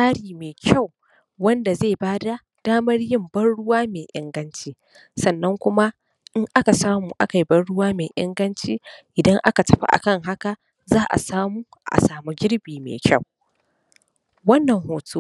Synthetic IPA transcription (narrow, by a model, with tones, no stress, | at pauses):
saː˦ɽiː˨meː˨kʲʰɐ˦˨w | wɐ˦nda˨zeː˦˨baː˦da˦ | d̥aː˦mɐ˦rjɪ˦˨mbɐ˦nɽʊ˦waː˦meː˨ʔɪ̰˨˦ŋɡɐ˦nt͡ʃiː˦ | sɐ˨nːɐ˦ŋkʷʊ˦ma˦ | ʔɪ˦ŋʔa˦ka˨saː˦muː˨ʔa˦ka˨ji˦bɐ˦nɽʊ˦waː˦meː˨ʔɪ̰˦ŋɡɐ˦nt͡ʃiː˦ʔɪ˨dɐ˦ŋʔa̰˦ka˨tɐ˨ɸa̰˦ʔa̰˨kɐ˦˨ŋɦa˦ka˨ | zaː˦ʔa̰˨saː˦muː˦ | ʔa̰˨saː˨mu˦ɡʲɪ˦ɽbiː˨mḛː˨kʲɐ˦˨w | wɐ˦nːɐ˨ŋhoː˨tʰuː˦